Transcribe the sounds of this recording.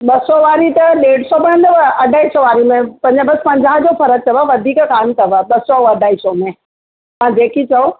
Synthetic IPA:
ɓɐsɔʋaːɾit̪ɐɗeːɽ̤sɔbɐɽə̃nd̪əʋəɐɖʱaːisɔʋaːɾimẽpɐ̃ɲd͡ʑbɐspɐ̃ɲd͡ʑaːɦd͡ʑofɐɾət̚t̪ʰɐʋaʋɐd̪ʱiːkkaːmt̪ʰɐʋəɓɐsɔɐɖʱaːisɔmẽ | mãːd͡ʑeːkit͡ɕɐo

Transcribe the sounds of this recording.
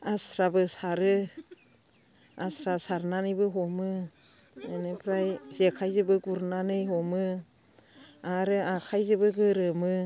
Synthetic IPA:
asɾabɯsaɾɯ | asɾasaɾnanɯbɯɦɔmɯ | enepʰɾajzekʰajzɯbɯɡuɾnanɯjɦɔmɯ | aɾɯakʰajzɯbɯɡɯɾɯmɯ

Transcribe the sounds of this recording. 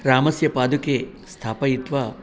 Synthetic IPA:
ɾaːmɐsjɐpaːd̪uke | st̪ʰaːpɐjit̪ʋɐ

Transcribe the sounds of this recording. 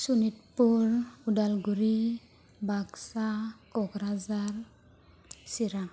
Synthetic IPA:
sunitpuɹudalɡuɹi | baksakɔɡɾazaɹ | siɾa

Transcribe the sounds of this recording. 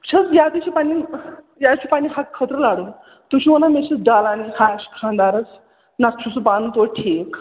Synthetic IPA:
t͡ɕʰət͡sjad̪iɕʰipani | jat͡ɕʰiːpañiɦakʰət̪ɾəlaɽun | t̪ut͡ɕʰiʋənamet͡ɕit͡sɖalanikʰaɕi̥kʰãnd̪aɾət͡s | nat̪̚t͡ʃʰut͡supant̪oʈʰek

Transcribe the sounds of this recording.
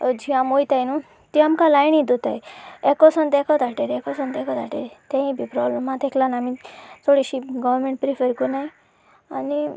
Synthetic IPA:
d͡ʑiamojt̪ajnu | t̪iamkalajnid̪ot̪a̰jekɔsənt̪ekʰɔt̪aʈeɾekɔsənt̪ɛkʰɔt̪aʈḛɾt̪ẽɦĩbʱipɾɔbləmãt̪eklanamĩt̪ʰoɽiɕiɡɔʋɾmẽɳʈ̚pɾifəɾkunaj | ani

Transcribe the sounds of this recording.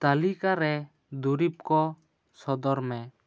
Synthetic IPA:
t̪alikaɾɛ | d̪uɾip̚kɔ | sɔd̪ɔɾmɛ

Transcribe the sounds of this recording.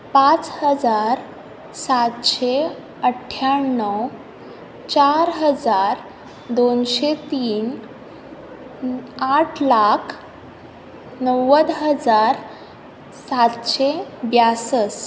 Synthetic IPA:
pat͡shəd͡zaɾ | sat̪ɕe | əʈʰːjaɳːəw | t͡ɕaɾɦəd͡zaɾ | d̪onɕet̪iːn | aʈʰlakʰ | nəwːəd̪ɦəd͡zaɾ | sat̪ɕebjasəs

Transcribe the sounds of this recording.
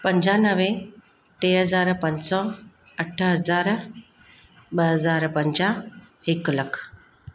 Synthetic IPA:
pəɲd͡ʑanəʋẽ | ʈ̪eɦəd͡zaɾpəɲsɔ | əʈʰːəɦəd͡zaɾ | bəɦəd͡zaɾpəɲd͡ʑahekləkʰ

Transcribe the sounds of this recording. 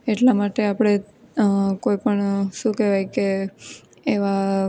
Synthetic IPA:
eʈlamaʈeapɽ̃e | koipəɳʃũkɛʋajkeː | ʋa

